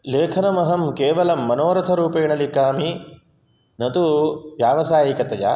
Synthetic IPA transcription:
leːkʰɐnɐmɐɦɐmkeːʋɐlɐmːɐnoːɾɐt̪ʰɐɾuːpeːɳɐlikaːmi | nɐt̪uʋjaːʋɐsaːjikɐt̪ɐd͡ʒa̰ː

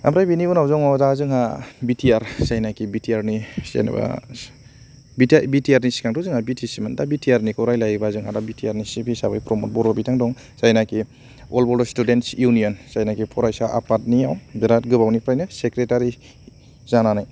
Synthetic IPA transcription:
a̰mɾajbiniunawzɔŋɔdazɯŋhabitʰiaɾsajnakibitʰiaɾnisḛn̰ba̰ | bitbitiaɾnisi̥kʰaŋtʰɔzɯŋhabitʰisimandabitʰiaɾnikʰɔɾajlajbazɯŋɦadabitʰiaɾnisibisabajpɾɔmɔt̚bɔɾbabitʰaŋdɔŋ | sajnaki | ɔlbɔɾdɔstudentsjunijɔnsajnakipʰɔɾajsaʔa̰pat̚niawbiɾat̚ɡɯbawnipʰɾajnɯsekɾetaɾi | zananaj

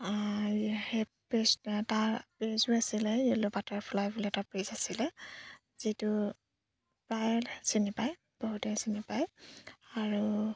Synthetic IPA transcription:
he | pɹestaɹpezuasilɛjelobatɔɹpʰlajbuliɛtapɹezasilɛ | zitu | pɹajlsinipaj | b̥ɔɦutɛsinipajaɹu

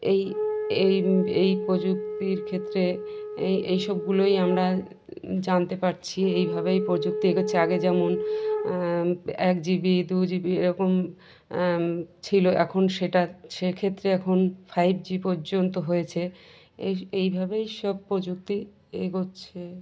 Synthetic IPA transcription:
ejejejpɾod͡ʑuk̚t̪iɾkʰet̪ːɾeejʔejʃɔb̚ɡulojamɾa | d͡ʑant̪epaɾt͡ɕʰiejbʱabejpɾod͡ʑuk̚t̪ieɡoːɕʰeaɡed͡ʑɛmon | ɛk̚d͡ʑibid̪ud͡ʑibieɾɔkom | t͡ɕʰiloʔɛkʰonʃeʈaʃekʰet̪ːɾeɛkʰonfʰajb̚d͡ʑipɔɾd͡ʑont̪oɦojet͡ɕʰe | eejbʱabejʃɔb̚pːɾod͡ʑuk̚t̪i | eɡoːɕʰe

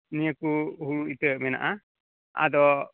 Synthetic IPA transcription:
nijəkuɦuɾuit̪əmɛna̰ʔa | a̰d̪ɔ

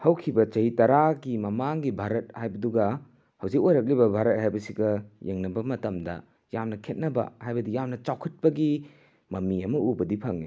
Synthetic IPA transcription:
hɐwkʰibɐt͡ʃɐhitɐɾaɡimɐmaŋɡibʱaɾɐt̚hajbɐduɡɐ | hɐwzikojɾɐk̬̚libɐbʱaɾɐt̚ɦhajbɐsiɡɐjeŋnɐbɐmɐtɐmdɐ̰ | jamnɐkʰet̚nɐbɐ̰hajbɐdijamnɐt͡ʃawkʰɐt̚pɐɡi | mɐmiɐmɐubɐdipʰɐŋi

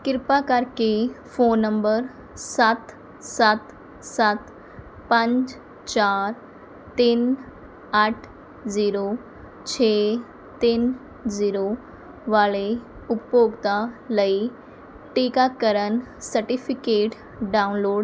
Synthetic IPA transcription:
kiɾpakaɾkefonːəmbəɾ | sat̪ | sat̪ | sat̪ | pãɲt͡ɕ | t͡ɕaɾ | t̪iːn | aʈʰ | d͡ziɾo | t͡ɕʰe | t̪in | d͡ziɾo | ʋaɭe | upjoɡt̪aləi | ʈikakəɾənsəɾʈifikeʈ | ɖaunloɽ

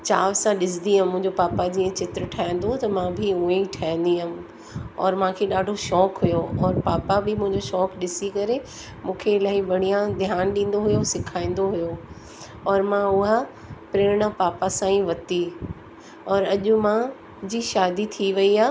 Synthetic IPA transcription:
t͡ɕaːʋsãɗɪsd̪iɦəmʊ̃ɦɪ̃ɲd͡ʑopaːpad͡ʑiːə̃t͡ɕɪt̪ɾəʈʰaːɪ̃n̆d̪ot̪ɐmãbʱɪʊẽiʈʰaːɪ̃n̆d̪iɦʊm | ɔːɾmãːkʰeɗaːɖʱoʃɔːkɦʊjoɔːɾpaːpabʱɪmʊ̃ɦɪ̃ɲd͡ʑoʃɔːkɗɪsikɐɾe | mũːkʰeɪlaːɦiʋɐɽ̤̃ijãd̪ʱjaːnɗĩːn̆d̪oɦʊjosɪkʰaːĩn̆d̪oɦʊjo | ɔːɾmãʊɦa | pɾeːɾɽapaːpasãːĩʋɐt̪i | ɔːɾɐʄʊmã | d͡ʑiʃaːd̪it̪ʰiʋɐiaː

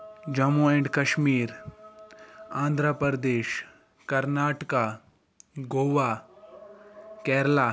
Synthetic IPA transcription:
d͡ʒɐmuẽɳɖkɐʃmiːɾ | ãːnd̪ʱɾəpɾəɾəd̪eːʃ | kɐɾnaːʈka | ɡoːʋaː | kɛːɾlaː

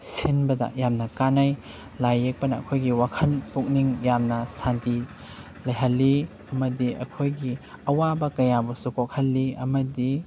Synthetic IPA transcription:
sinbɐdɐ̰ʔjamnɐkanaj | lajːek̚pɐnɐ̰ːkʰojɡiwakʰɐnpuk̚niŋjamnɐsanti | lɐjɦɐlːi | ɐmɐdiʔɐ̰kʰojɡiɐwabɐkɐjabusukok̚hɐlːiɐ̰mɐdi

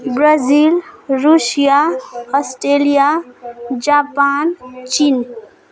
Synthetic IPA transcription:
bɾazilɾusijaɔsʈɾelija | d͡ʒapant͡ʃin

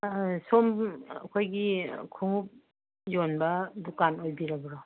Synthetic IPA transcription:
somɐ̰kʰojɡikʰuŋup̚ | jonbɐdukanojbiɾɐbɾɔ

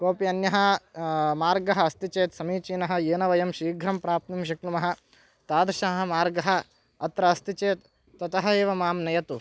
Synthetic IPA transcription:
koːpiɐnjɐɦɐ | maːɾɡɐɦɐɐst̪it͡ʃeːt̪sɐmiːt͡ʃiːnɐɦɐ̆eːnɐʋɐjɐmʃiːɡʱɾɐmpɾaːp̚t̪nimʃɐknumɐɦɐ̆ | t̪aːd̪ɾʃɐɦɦɐmaːɾɡɐɦɐ̆ | ɐt̪ɾɐɐst̪it͡ʃeːt̪ː | ɐt̪ɐɦɐeːʋɐmaːmnɐjɐt̪u

